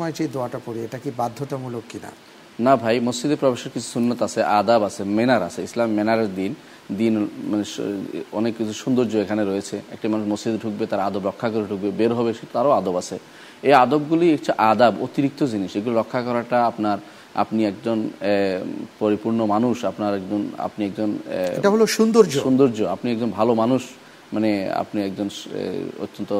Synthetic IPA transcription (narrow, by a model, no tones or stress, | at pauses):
mɔjt͡ɕid̪oaʈapoɽieʈakibad̪ʱːoʈamulokːina̰ | nabʱajmosd͡ʑid̪epɾɔbeʃeɾkit͡ɕʰu̥sunːot̪at͡ɕʰeʔad̪abat͡ɕʰemenaɾa̰t͡ɕʰeislamːenaɾeɾd̪in | d̪inmaneɔnekːit͡ɕʰuʃund̪oɾd͡ʑoekʰaneɾojet͡ɕʰeɛ̰k̚ʈamanuʃmosd͡ʑid̪ɖʱuk̚bet̪aɾaad̪obɾɔkʰːakoɾeɖʱuk̚bebeɾɦɔbeʃet̪aɾoad̪obat͡ɕʰe | ead̪obɡuliekʈʰaʔad̪abot̪iɾik̚t̪od͡ʑiniʃeɡuloɾɔkʰːakɔɾaʈaapnaɾ | a̰pniɛk̚d͡ʑon | poɾipuɾnomanuʃapnaɾɛkd͡ʑona̰pniɛk̚d͡ʑonʈaɦoloʃund̪oɾd͡ʑoʃund̪oɾd͡ʑoapniɛk̚d͡ʑonbʱalomanuʃ | manea̰pniɛkd͡ʑon̰o̰t̪ːont̪o